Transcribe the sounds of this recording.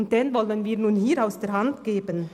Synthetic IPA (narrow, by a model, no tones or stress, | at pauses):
nt̚d̥ɛnvɔlənviːɐnuːnhiːɾaʊsd̥eːɦantɡ̥eːbən